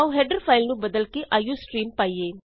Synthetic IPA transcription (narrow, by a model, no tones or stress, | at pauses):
ʋuɦeɖɐɾpʰɐjlnubɐd̪ɐlkiʔɐjusʈɾiːmpɐjːe